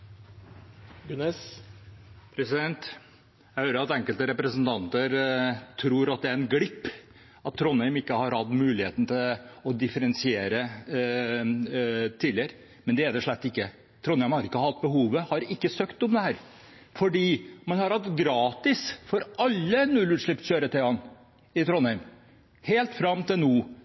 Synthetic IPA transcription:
ɡʉnɛs | pʰɾɛsɪd̪ɛnt̪ | jæɪhøːɾəɾɑt̪ɛŋkəlt̪əɾɛpɾəsənt̪ʰɑnt̪əɾt̪ʰɾuːɾɑt̪̚d̪ɛæɾɛnɡɽɪpː | ɑt̪t̪ʰːɾɔnːɛɪmɪkːəhɑɾhɑd̪mʉːlɪheːt̪n̩t̪ʰɪlɔd̪ɪfəɾɛnsɪeːɾə | t̪ʰiːlɪəɾə | mɛnd̪ɛæd̪ɛʂɭɛt̪ːɪkːə | t̪ʰɾɔnhæɪmhɑɾɪkːəhɑt̪̚ːbəɦuːʋəhɑɾɪkːəsøːkt̪ɔmd̪ɛhæːɾ | fɔɖiːmɑnhɑɾhɑt̪ɡɾɑːt̪ɪsfɔɾɑlːənʉlːʉːt̪ʂɭɪp̪ɕøːɾət̪ʰɛɑn | ɪt̪ʰɾɔnæɪm | heːlt̪fɾɑmːt̪ɪlnuː

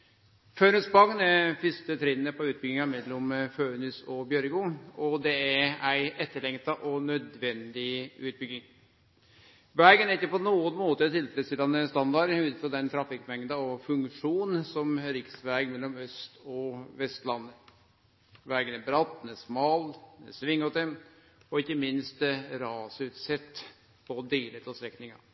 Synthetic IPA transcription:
føːnʉsbɑŋnæfʏst̪ət̪ʰɾɛnːəpʰɔʉːt̪bʏɡɪŋɑmɛlːɔmføːnʉsɔbjœɾɡʊɔd̪ɛææɪɛt̪ːəɭɛŋt̪ɑʔɔnœd̪ʋɛnd̪ɪʉːt̪̚bʏɡɪŋ | ʋæɾɡənæɾɪkːəpɔnuːənmoːt̪ət̪ʰːɪlfɛləsɪlːɑnəst̪ɑnd̪ɑɾhʉːd̪əfɾɔd̪ɛnt̪ʰɾɑfɪkːmɛŋd̪ɑɔfʉŋkʂuːnsɔmɾɪksʋæɡmɛlːɔmœst̪ɔʋɛst̪lɑnːə | ʋæɾɡənæbɾɑt̪ːnɛsmɑːlnɛ̰sʋɪŋːɔt̪əm | ɔɪçːəmɪnst̪ɾɑːsəʉːt̪sɛt̪ː | pʰɔd̪eːlət̪ɔst̪ɾɛknɪŋɑ̰

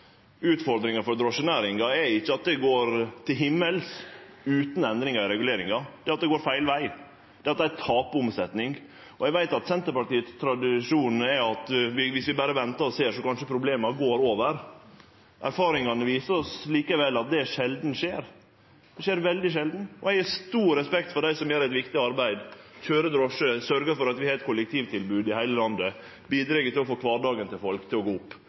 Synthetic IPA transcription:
ʉːt̪fɔɾd̪ɾɪŋɑfɔɾd̪ɾɔʂənæːɾɪŋɑɛɪçːəɑt̪̚d̪ɛɡoːɾt̪ʰɪlɦɪmːəls | ʉːt̪n̩ɛnd̪ɾɪŋɑɪɾɛɡʉleːɾɪŋɑd̪̥ɛːɑt̪̚d̪ɛɡoːɾfæɪlʋæɪ | d̪̥ɛɑt̪̚d̪ɛæt̪ʰɑːpəʊmsɛt̪nɪŋ | ɔɛɡʋæɪt̪ɑt̪sɛnt̪əɾpɑʈiːət̪st̪ʰɾɑd̪ɪʂuːn̩ɛɑt̪ʋɪʋɪsʋɪbæːɾəʋɛnt̪ɑɔseːʂɔkɑnʂəpʰɾʊbleːmɑɾɡoːɾoːʋəɾ | ʔæ̰ɾfɑːɾɪŋɑnəʋiːsəɾɔsliːkəʋɛlːɑt̪̚d̪ɛʂɛld̪n̩ʂeːɾ | d̪̥ɛʂeːɾʋɛld̪ɪʂɛld̪n̩ɔɛɪɡæʂt̪uːɾɾɛspɛk̚t̪fɔɖæɪsɔmjæːɾɛt̪ʋɪkt̪ɪɑɾbæɪd̪çøːɾəd̪ɾɔʂəsœɾɡəfɔɾɑt̪ʋɪhɑːɾɛt̪̚kʰʊlɛkt̪ʰiːʋt̪ʰɪlbʉːd̪ɪhæɪləlɑnd̪ə | biːd̪ɾɛɡət̪ɪlɔfoːkʰʋɑːɖɑːɡənt̪ʰɪlfɔlkt̪ʰɪlɔɡoːʊpː

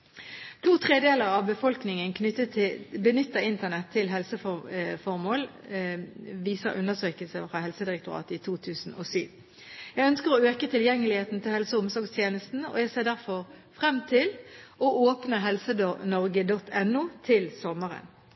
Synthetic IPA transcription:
t̪ʰuːt̪ʰʁeːd̪eːləʁɑʋbəfɔlknɪŋənkʰnəbənʏt̪ːəɪnt̪əʁnɛt̪ʰːɪlɦɛlsəffɔʁmoːl | ʋiːsəʁʔʉ̰nːəsøːkəlsəfʁɑɦɛlsəd̪ɪʁɛk̚t̪ʊʁɑ̰ːt̪əɪt̪ʰuːt̪ʰʉːsn̩ʔo̰ːsyːʋ | jæɡœnskəʁɔøːkət̪ʰɪljɛŋːəlɪheːt̪n̩t̪ʰɪlhɛlsəʊmsɔʁɡst̪ʰjeːnəst̪n̩ɔ̰æsɛd̪æʁfɔʁ | fʁɛmːt̪ʰɪlɔʔoːpnəɦɛlsəd̪oːnɔʁɡəd̪ɔt̪ʰːɛnːuːt̪ʰɪlsɔməʁə̰n

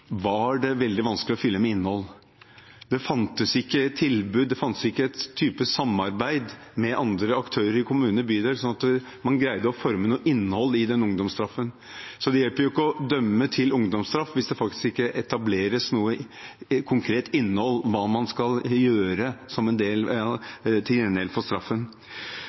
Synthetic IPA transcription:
ʋɑæɖɛʋɛld̪ɪʋɑnsklɪɔfʏlːəmɛɪnːhɔlː | d̪ɛfɑnt̪əsɪkːət̪ʰːɪlbʉːd̪ːɛfɑnt̪ə̥sɪkːəɛt̪ʰːyːpəsɑmːɑɾbæɪd̪mɛʔɑnd̪ɾəɑkt̪ʰøːɾəɾɪkʰʊmʉːnəbyːd̪ɛlsɔnɑt̪ | mɑnɡɾæɪd̪əɔfɔɾmənuːəʔɪnːəhɔlːɪd̪ɛnʊŋd̪ɔmst̪ɾɑfːən | sɔd̪ɛjɛlpəɾjʊɪkːəɔd̪œmːət̪ʰɪlʊŋd̪ɔmst̪ɾɑfʋɪsd̪ɛfɑkt̪ɪ̥skɪkːəʔɛt̪ɑbleːɾəsnuːə | kʰʊŋkʰɾeːt̪ɪnːəhɔlːʋɑːmɑnskɑljøːɾəsɔmɛnd̪eːl | t̪ʰɪɛnd̪eːlfɔst̪ɾɑfːən

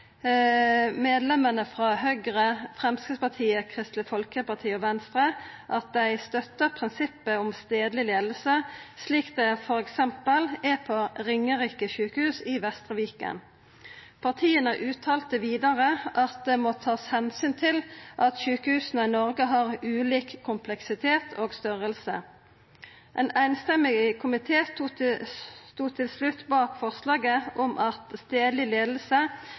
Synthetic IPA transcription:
meːd̪lɛmənəfʁɑɦœʏɡʁəfʁɛmskəspɑt̪ʰiːəkʰʁɪst̪lɪfɔlkəpɑt̪ʰiːɔʋɛnst̪ʁəʔɑt̪̚d̪æɪst̪œt̪ːəpʰʁɪnsɪpːəʊmst̪eːd̪lɪleːd̪l̩səsliːkd̪ɛfɔɾɛksɛmpəlɛpʰoʁɪŋːəʁiːkəʃʉːkəhʉːsɪʋɛst̪ʁəʋiːkə̰n | pʰɑʁt̪ʰiːənəʔʉːt̪ʰɑːlt̪əʋiːd̪ɑʁəʔɑt̪̚d̪ɛmoːt̪ʰɑːshɛnsyːnt̪ʰɪlʔɑt̪ʃʉːkəhʉːsnəɪnɔʁɡəɦɑːʁʉːliːkkʰːʊmpʰlɛksɪt̪ʰeːt̪ʰoːɡst̪ʏʁəlsə | ʔɛnæɪnst̪ɛmːɪɡəkʰʊmɪt̪ʰeːst̪u | st̪uːt̪ʰɪlslʉt̪ːbɑːkfɔʁslɑːɡəʔɔmʔɑt̪st̪eːd̪lɪleːd̪l̩sə

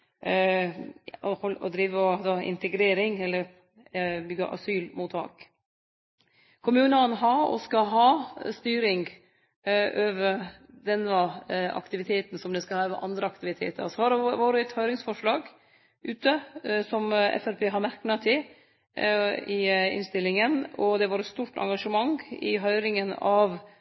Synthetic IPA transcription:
ɔhɔlɔ̰d̪ɾiːʋəɔd̪ɑɪ̰nt̪ɛɡɾeːɾɪŋɛlːəɾ | bʏɡəʔɑ̰syːlmuːt̪ʰɑ̰ːk | kʰʊmʉːnənɦɑɾɔ̰skɑɦɑːst̪yːɾɪŋɡ | ʔøːʋəɾ | d̪ɛnːəɑ̰kt̪ɪʋɪt̪ʰeːt̪n̩sɔmd̪ɛskɑhɑːʋəʔɑnd̪ɾəɑkt̪ɪʋɪt̪ʰḛːt̪ʰə̰ɾsɔhɑɾɖɛʋoːɾəɛt̪hœʏɾɪŋsfɔʂɭɑːɡ | ʔʉːt̪əsɔmɛ̰fæɾpʰeːɦɑɾmæɾknɑt̪ʰɪ | ɪɪ̰nst̪ɪlːɪŋənɔd̪ɛʋɑːɾət̪st̪uːʈɑ̰ŋɡɑʂəmɑŋɪ̰ɦœʏɾɪŋənɑʋ

